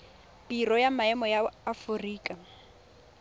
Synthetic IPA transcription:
pirɔjamaɛmɔjaːfʊriːkʼa

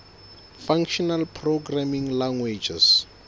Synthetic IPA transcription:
faŋkʃɔnalpʰroɡramiŋlaŋwed͡ʒɛ̰s

